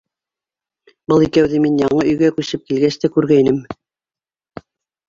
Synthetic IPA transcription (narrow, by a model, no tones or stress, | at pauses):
bɤlˠikæwðɘminjɑɴɤɵ̆jɡækʉsɘp̚kilɡæst̪ækʉɾɡæjnɘm